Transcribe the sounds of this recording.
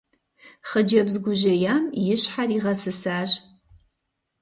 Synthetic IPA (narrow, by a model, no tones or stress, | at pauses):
χəd͡ʒɐbzɡʷʊʒɐjaːmjɪɕħariːʁɐsɨsaːɕ